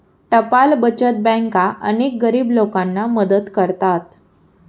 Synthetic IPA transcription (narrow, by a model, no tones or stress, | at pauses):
t̪əpalbət͡ɕət̪̚bɛ̃ŋkaʔə̰nek̚ɡəɾiːblokãnːaməd̪ət̪kəɾt̪at̪